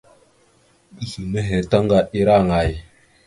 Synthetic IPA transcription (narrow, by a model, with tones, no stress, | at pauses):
i˦hi˨nə˦ɦe˨ta˦ŋɡa˨ʔi˦ɾa˦˨ŋa˨j